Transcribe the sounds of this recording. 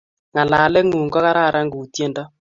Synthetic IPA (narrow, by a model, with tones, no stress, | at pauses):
ŋa˨laː˨lɛ˦ŋu˨ŋɡɔ˦ka˦ɾa˦˨ɾa˦ŋɡu˨tje˦ndɔ˦